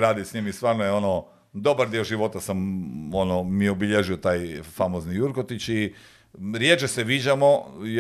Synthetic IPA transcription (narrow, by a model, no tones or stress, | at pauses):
ɾaːd̪isɲimist̪ʋaːɾnojeo̞no | d̪o̞baɾd̪ioʒiʋo̞t̪asamonomiobiʎeʒiot̪aːjfamoznijuɾkot̪it͡ɕi | ɾjet͡ʃeseʋiːd͡ʑamo̞j